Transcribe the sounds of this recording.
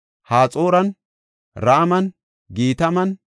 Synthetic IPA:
haːt͡sʼo̞ːɾɐn | ɾaʔmɐn | ɡiːt̪ɐmɐn

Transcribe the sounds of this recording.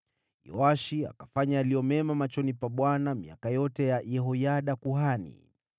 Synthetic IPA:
jɔ̰aʃia̰kafaɲaːlijɔmɛmamat͡ʃɔnipaɓwanamḭakajɔtɛjaʔjɛɦɔjaɗakuɦanḭ

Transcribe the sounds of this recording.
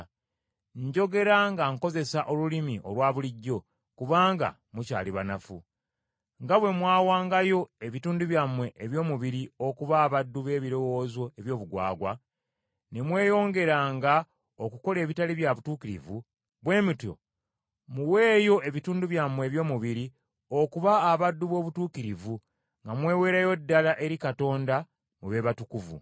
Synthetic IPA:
ɲɟo̞ɡe̞ɾaŋɡaŋko̞ze̞saʔo̞lulimiʔo̞̰lwaːβuliɟːo̞ | kuβaːŋɡa̰ | muca̰ːliβanafṵ | ŋɡaβwe̞mwaːwaːŋɡajo̞e̞βituːnduβjamwe̞ʔeβjo̞ːmuβiɾio̞kuβaːβadːuβe̞ːβiɾo̞wo̞ːzo̞eβjo̞ːβuɡwa̰ːɡwa | ne̞mwe̞ːjo̞ːŋɡe̞ɾaːŋɡa | okuko̞le̞ːβitaliβjaβutuːkiɾḭvu | βwe̞ːmitjo̰ | muweːjo̞ʔe̞βituːnduβjamwe̞ːβjo̞ːmuβiɾi | o̞kuβaːβadːuβo̞ːβutuːkiɾivu | ŋɡamwe̞ːwe̞ːɾajo̞dːalaʔe̞ɾikato̞ːnda | muβe̞ːβatukuvṵ

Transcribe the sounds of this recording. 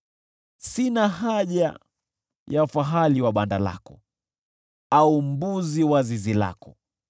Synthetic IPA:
sinaɦaʄa̰ | jafaɦaliwaɓandala̰kɔ | aum̩buziwazizila̰kɔ

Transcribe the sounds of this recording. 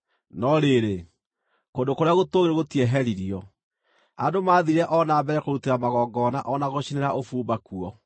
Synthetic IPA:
nɔɾeɾe | kondokoɾeaɣotoɣeɾeɣotiɛɦɛɾiɾiɔ | adomaːðiɾɛʔɔnaːmbɛɾɛkoɾuteɾamaɣɔɡɔnaʔɔnaɣoɕineɾaʔofuːmbakuɔ

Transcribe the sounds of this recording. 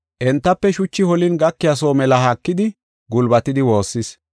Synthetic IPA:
ʔɛnt̪ːɐpːɛʃʊt͡ʃːɪhɔlɪnɡɐkːɪjasoːmɛlɐɦɐkːɪd̪ɪ | ɡʊlbɐt̪ɪd̪ɪwo̞ːsːɪs

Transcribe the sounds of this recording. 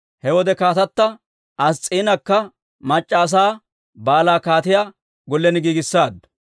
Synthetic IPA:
hɛwɔd̪ɛkaːt̪ɐt̪ːɐ | ɐst͡sʼiːnɐkːɐ | mɐt͡ʃʼːaːs̬aː | baːlaːkaːt̪ɪjaː | ɡɔlːɛnɪɡiːɡɪsːaːd̪ɐ̥

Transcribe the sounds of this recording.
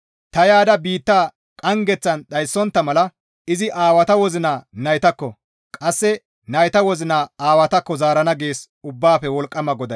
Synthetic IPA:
t̪ɐjaːd̪ɐbiːt̪ːaː | kʼɐŋɡɛt͡sːɐnɗɐjsːɔnt̪ːɐmɐlɐ | ɪzɪʔaːwɐt̪ɐwɔzɪnaːnɐjt̪ɐkːɔ | kʼɐsːɛ | nɐjt̪ɐwɔzɪnaːaːwɐt̪ɐkːɔzaːɾɐnɐɡe̞ːs | ʊbːaːfɛwɔlkʼːɐmɐɡɔd̪ɐ

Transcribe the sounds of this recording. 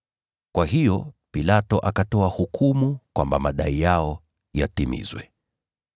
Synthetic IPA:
kwahijɔpilatɔʔakatɔahukʰumukwambamaɗaijaɔ | jatimḭzwɛ

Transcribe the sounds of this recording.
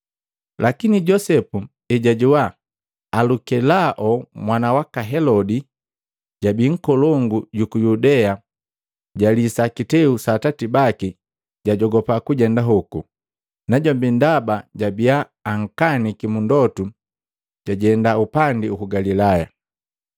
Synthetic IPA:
lʔakiniɟɔsɛpu | ɛɟaɟuwaː | lukɛlaʔɔmwanawakaɦɛlɔdi | ɟabiŋ̩kɔlɔŋɡuɟukujudɛa | ɟalisakitɛusatatibaki | ɟaɟɔɡɔpakuɟɛndaɦuku | naɟɔmbindabaɟabijaː | ŋ̩kanikimundɔtu | ɟ̥aɟɛndaupandiukuɡalilaja

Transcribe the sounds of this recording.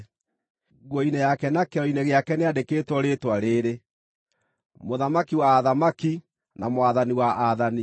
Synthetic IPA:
ɣwɔinɛjakɛnakɛɔineɣeakɛneadekeːtwɔɾetwaɾeːɾe | moðamakiwaːðamaki | namowaðaniwaʔaðani

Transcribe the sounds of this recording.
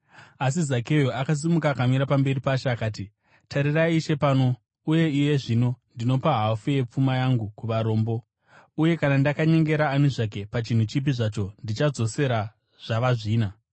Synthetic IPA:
as̬izake̞joakas̬imukakamiɾapambe̞ripaʃaːkaːti | tʰaɾiraiʃe̞paːno̞ | uje̞ije̞ʐino̞ndino̞paɦafuje̞p͡fumajaŋɡukuʋaɾo̞ːmbo̞ | uje̞kanandakaɲe̞ŋɡe̞ɾaːneʐak̬e̞pat͡ʃin̤ut͡ʃip̬iʐat͡ʃo̞ndit͡ʃad͡zo̞se̞ɾa | ʐ̥aʋaʐiːna

